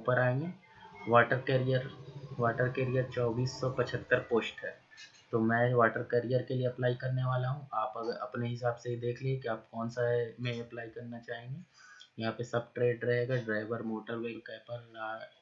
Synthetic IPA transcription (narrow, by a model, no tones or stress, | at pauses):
upəɾaːẽːŋɡeː | ʋaːʈəɾkeːɾijəɾʋaːʈəɾkeːɾijəɾt͡ʃɔːbiːsːɔpɐt͡ʃʰət̪ːəɾpoːsʈɦɛː | t̪omɛ̃ːʋaːʈəɾkeːɾijəɾkelieɐplaːikɐɾneʋaːlaɦũaːpɐɡəɾɐ̰pneɦɪsaːbseid̪eːkʰliekiaːp̚kɔːnsamɛ̃ɐplaːikɐɾnat͡ʃaːɦẽːŋɡeː | jɐɦãːpesɐb̚ʈɾeːɖɾɐɦeːɡaɖɾaːɪʋəɾmoːʈəɾʋeːlkɛːpəɾlaː